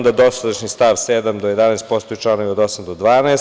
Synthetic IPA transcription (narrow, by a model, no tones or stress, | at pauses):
d̪ad̪o̞sad̪aʃnist̪aʋseːd̪amd̪ojed̪anɛːst̪̚po̞st̪ojt͡ʃlˠanoʋiod̪o̞samd̪od̪ʋaːnaːs